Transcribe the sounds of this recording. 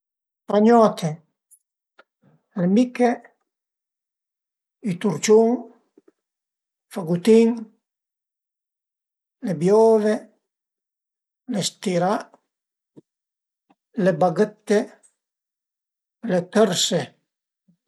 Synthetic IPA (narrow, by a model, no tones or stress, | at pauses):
faɲɔːt̪ʰe | lemikːe | it̪uɾt͡ʃuŋ | faɡut̪iŋ | lebjɔːve | lest̪iɾa | lebaɡət̪ːe | let̪əɾse